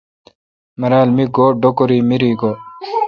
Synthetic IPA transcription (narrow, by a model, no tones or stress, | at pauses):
mɐɾaːlmiɡoːɖokoɾiːmiɾiːɡoː